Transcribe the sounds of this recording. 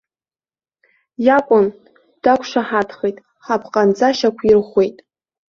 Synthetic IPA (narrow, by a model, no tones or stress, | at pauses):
jakʷʼʊn | d̥akʷʰʼʂaħadʰχejtʼ | ħapʰqʼand͡zʼaʃakʷʰirχʷe̞jtʼ